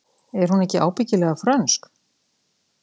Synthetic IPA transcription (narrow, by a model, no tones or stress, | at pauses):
ɛɾ̥hunɛhcɪʔa̰ːwpɪcɪlɛːɣafɾœnsk